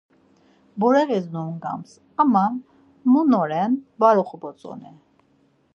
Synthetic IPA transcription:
bɔɾɛvɛznumɡɑ̰ms | ama | munɔɾɛnbɑɾɔχbɔt͡sʼɔ̰nɛ

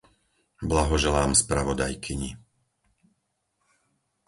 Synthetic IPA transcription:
blaɦɔʒɛlaːmspɾaʋɔd̪ajkʰiɲi

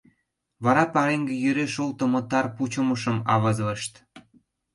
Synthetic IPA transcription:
βɑɾɑpɑɾeŋɡĕjøɾeʃolt̪ə̆mŏt̪ɑrput͡ɕŏmɤ̆ʃə̆mɑ̰βɤzlə̆ʃt̪

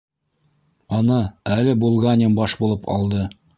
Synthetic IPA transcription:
ɑnɤælɘbulˠʁɑnʲembɑʃbulˠɤpʰɑ̰lˠd̪ɤ

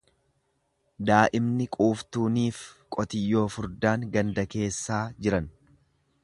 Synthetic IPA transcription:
d̪aːʔɪmnɪkʼuːft̪uːniːfkʼɔt̪ɪjːo̞ːfʊɾd̪aːŋɡɐnd̪ɐke̞ːsːaːd͡ʒɪɾɐn

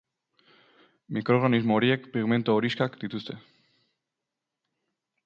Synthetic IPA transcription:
mikɾo̞ɣanizmoːɾie̞kpiɣme̞nt̪oːɾiskakd̪it̪ust̪e̞

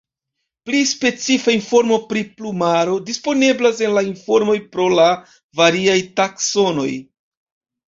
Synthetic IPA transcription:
plispe̞t͡sifainfo̞ɾmo̞pɾiplumaɾo̞dispo̞ne̞blase̞nlainfo̞ɾmo̞jpɾo̞la | vaɾiajtakso̞no̞j

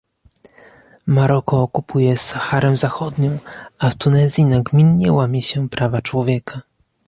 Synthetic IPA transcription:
maɾɔkɔːkupʰujɛsaxaɾɛw̃zaxɔd̪ɲɔ̃w̃aft̪unɛzʲjinaɡmʲinɲɛwamʲɛɕɛpɾavat͡ʂwɔvʲjɛkʰa

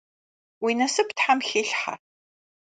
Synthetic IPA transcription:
winɐsɨptħamxeːɬħa̰

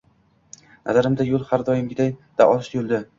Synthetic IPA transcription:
nʔa̰zaɾɪmd̪ajolˠhaɾd̪ɒjɪmɡʲɪd̪ajd̪̥a̰ʔɒlˠʃjolˠd̪ɪ

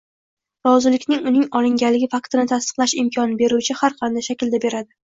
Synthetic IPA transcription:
ɾɒzɪlɪkʲnɪŋʊnɪŋɒlˠɪŋɡʲalːɪɡʲɪfakt̪ɪnɪt̪ʰast̪ɨ̥qlˠaʃɪmkʰɒnɪbe̞ɾut͡ʃʰɪhaɾqʰɑnd̪ajʃakʲɪld̪abe̞ɾad̪ɪ

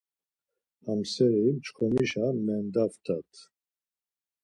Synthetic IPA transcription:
amsɛɾit͡ʃkʰɔmiʃamɛnd̪aft̪ʰʼat̪ʰ

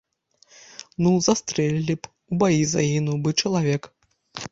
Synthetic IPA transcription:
nuzast̪ɾɛlʲilʲip | ubajiza̰jinubɨt͡ʂɐlˠavʲɛk

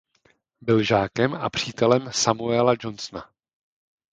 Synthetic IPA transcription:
bɪlʒaːkɛma̰pr̝̥iːt̪ɛlɛmsamuɛlad͡ʒo̞nsna̰

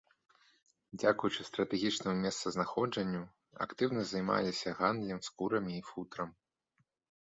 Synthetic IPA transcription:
d͡zʲakujut͡ʂɨst̪ɾɐt̪ɛɣʲit͡ʂnɐmʲɛst̪sɐznaxɔd͡ʐɐnʲːu | ɐ̰kt̪ɨwnɐzɐjma̰lʲisʲɐɣa̰nd̪lʲimskuɾɐmʲiːfut̪ɾɐm

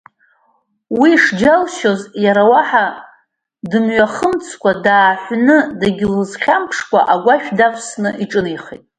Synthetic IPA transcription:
wiʂd͡ʒalʃozjaɾawaħa | dɨmɥaχəmt͡sʰkʷʰadaːħʷnɨdaɡʲɪlɨzχʲampʰʂkʷʼa̰ʔaɡʷaʃᶣdapʰsnɨiʈ͡ʂʼɨniχejtʼ

